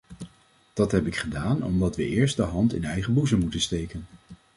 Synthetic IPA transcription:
d̥ɑtɦɛpɪkχədaːnɔ̰mdɑtʋəʔɪːɹstdəɦɑntɪ̰nɛjχəbuzəmmutənstejkən

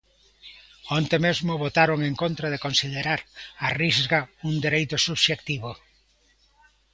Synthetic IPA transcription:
ont̪emezmʊβot̪aɾoŋeŋkõnt̪ɾað̞ekonsiðeɾaɾarizɣauŋd̪eɾejt̪ʊsuβʃekt̪iβo

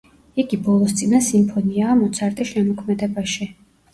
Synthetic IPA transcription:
iɡibɔlˠɔst̪sʼinasimpʰɔniaːmɔt̪sʰaɾt̪ʼiʃɛmɔkʰmɛd̪ɛbaʃi

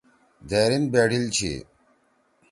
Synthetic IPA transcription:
d̪eːɾinbeːɖilt͡ɕʰḭ

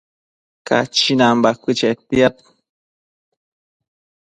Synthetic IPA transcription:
ka̰t͡ʃinambakʷɨt͡ʃet̪ijat̪̚

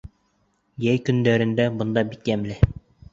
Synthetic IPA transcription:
jæjkɵ̆nd̪æɾɘ̆nd̪æbɤ̆nd̪ɑbikjæmlɘ

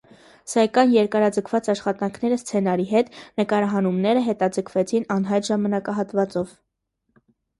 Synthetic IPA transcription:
sɑkɑjnjɛɾkɑɾɑd͡zəkʰvɑt͡sɑʃχɑt̪ɑŋkʰnɛɾəst͡sʰɛnɑɾiɦɛt̪nəkɑɾɑɦɑnumnɛɾəɦɛt̪ɑd͡zəkʰvɛt͡sʰinɑnɦɑjt̪ʒɑmɑnɑkɑɦɑt̪vɑt͡sɔv

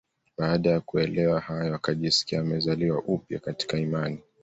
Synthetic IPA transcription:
ɓaːɗajakuɛlɛwahajɔwakaʄisi̥kiaːmɛzaliwaʔupja̰kati̥kaimani

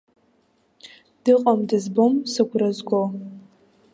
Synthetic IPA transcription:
d̥ɨqʼɐmdɨzbomsɨɡʷrɐzɡʷo

